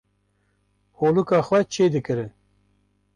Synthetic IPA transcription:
hoːlukɑːxwɛt͡ʃʰeːd̪ɨkɨɾɨ

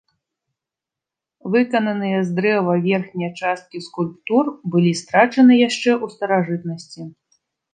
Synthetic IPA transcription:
vɨkɐnɐnɨjɐzd̪ɾɛvɐvʲɛrxnʲijɐt͡ʂast̪̚kʲiskulʲpt̪urbɨlʲist̪ɾat͡ʂɐnɨjaʂt͡ʂɛʔust̪ɐɾaʐɨt̪nɐsʲt͡sʲi

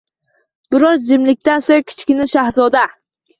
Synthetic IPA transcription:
b̥ɪɾɒzd͡ʒɪmlɪk̚ʲt̪ansoŋkʲʰɪ̥t͡ʃʰkʲɪnɪʃahzɒd̪a

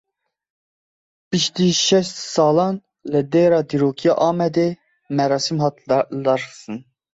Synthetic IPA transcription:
b̥iʃd̪iʃɛst̪sɑlˠɑn | lɛd̪eɾɑd̪iɾokʰijɑʔɑːmɛd̪ɛ | mɛɾɑːsimɦɑt̪ʰlɑɾɨ̥sɨn

